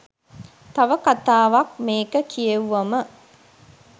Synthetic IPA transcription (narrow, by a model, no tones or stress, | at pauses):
t̪ɐʋəkat̪aːʋak̚meːkəkʰijeʋuʋɐmə